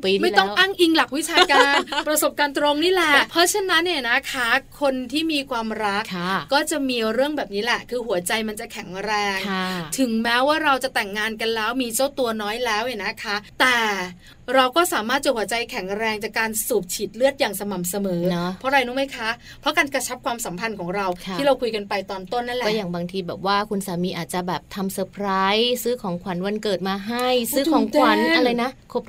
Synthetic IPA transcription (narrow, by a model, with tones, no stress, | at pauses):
ma˥˩jt̪ɔ˥˩ʔa˥˩ŋʔi˧ŋla˨˩k̚wi˦˥t͡ɕʰaː˧ka˧pɾa˧so˨˩p̚kaː˧nt̪ɾo˧ŋniː˦˥˩lɛ˨˩pʰɔ˦˥t͡ɕʰa˧na˦˥nːi˧˥˩na˦˥kʰa˦˥kʰo˧nt̪ʰiː˥˩miː˧kʰwaː˧mɾa˦˥kːɔː˥˩t͡ɕa˨˩miː˧ɾɯ˥˩əŋbɛː˨˩p̚niː˦˥lɛ˨˩kʰɯː˧ɦu˩˦ɐt͡ɕa˧jma˧nt͡ɕa˨˩kʰɛ˩˦ŋɾɛː˧ŋt̪ʰɯ˩˦ŋmɛː˦˥waː˥˩ɾa˧wt͡ɕa˨˩t̪ɛ˨˩ŋːaː˧nka˧nlɛː˦˥wmiː˧t͡ɕa˥˩wt̪u˧ɐnɔː˦˥jlɛː˦˥wʔa˨˩na˦˥kʰa˦˥ʔt̪ɛː˨˩ | ɾa˧wkɔː˥˩saː˨˩˦maː˥˩t̪̚t͡ɕa˨˩hu˩˦t͡ɕa˧jkʰɛ˩˦ŋɾɛː˧ŋt͡ɕa˨˩kːaː˧nsuː˨˩p̚t͡ɕʰiː˨˩t̪̚lɯ˥˩ət̪̚jaː˨˩ŋsa˧ma˨˩msa˧mɤː˩˦pʰɔ˦˥ɾa˧jnuː˦˥ma˦˥jkʰa˦˥ | pʰɾɔ˦˥kaː˧nkɾa˧t͡ɕʰa˦˥p̚kʰwaː˧msa˨˩˦mpʰa˧nkʰɔː˩˦ŋɾa˧w̪ʰiː˥˩ɾa˧wkʰu˧jka˧npa˧jt̪ɔː˧nt̪o˥˩nːa˦˥nlɛkɔː˥˩˥jaː˨˩ŋbaː˧ŋt̪ʰiː˧bɛː˨˩p̚waː˥˩kʰu˧nsaː˩˦miː˧ʔaː˨˩t̪̚t͡ɕa˨˩bɛː˨˩p̚t̪ʰa˧msəː˧pʰɾaː˦˥jsɯː˦˥kʰɔː˩˦ŋkʰa˩˦nwa˧nkɤː˨˩t̪̚maː˧ɦa˥˩jsɯː˦˥kɔː˩˦ŋkwa˨˦na˧ɾa˧jna˦˥kʰo˦˥p̚